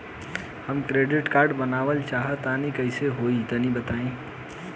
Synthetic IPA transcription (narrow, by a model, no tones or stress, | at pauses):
həmkɾeːɖɪʈkaːɾɖbənaːʋəlt͡ʃaːɦət̪anikəɪseɦoːit̪ənĩbət̪aːĩː